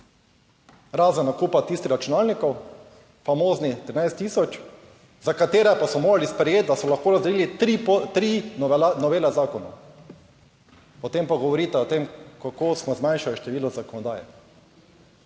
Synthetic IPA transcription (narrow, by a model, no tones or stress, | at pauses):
ɾaːzənakupat̪ist̪ixɾat͡ʃunalnikɔw | famoːznit̪ɾinajst̪ːiːsɔt͡ʃ | zakat̪eːɾɛpasɔmoːɾalispɾɛjeːt̪̚d̪asɔlaxkoːɾazd̪ɛliːlit̪ɾinɔʋeːlazaːkɔna̰ | pɔt̪empaɡɔʋɔɾiːt̪ɛɔt̪emkakoːsmɔzmãjnʃaliʃt̪ɛʋiːlɔzakɔnɔd̪aːjɛ̰